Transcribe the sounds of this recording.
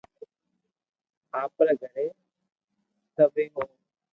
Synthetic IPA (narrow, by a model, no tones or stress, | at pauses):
aːpleːɡʱəɽeː | səbeːɦõː